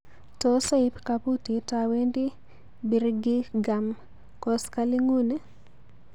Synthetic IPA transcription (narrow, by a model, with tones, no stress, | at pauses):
tɔ˦sa˦ɪ˦pkapu˦ti˨tawe˦ndi˦ | bi˨ɾɡɪ˦ɡa˨m | kɔ˦ska˦lɪ˦ŋu˦ne˦